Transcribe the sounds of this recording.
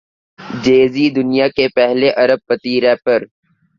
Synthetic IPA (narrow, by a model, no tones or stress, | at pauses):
d͡ʒeːzid̪ʊnijakepɛɦleʔɐɾəb̚pət̪iːɾɛːpəɾ